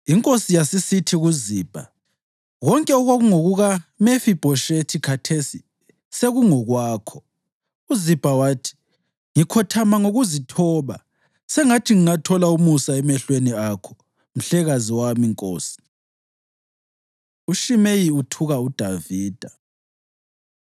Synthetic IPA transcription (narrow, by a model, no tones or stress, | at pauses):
iŋkʼosijasisitʰiɣuziːb̥ʱa̰ | ɣɔŋkʼɛɔɣwaɣuŋoɣuɣamefib̥ʱɔʃetʰikʰatʰesi | seɣuŋɔɣwaːkʰɔ | uzib̥ʱawaːtʰi̥ | ŋikʰɔtʰamaŋoɣuzitʰɔːβa | sɛŋatʰiŋiŋatʰɔlaumusaɛmɛɬweniakʰɔ̥ | m̩ɬɛɣaziwamiŋkʼo̰ːsi̥ | uʃimejiutʰuɣaud̥ʱaviːd̥ʱa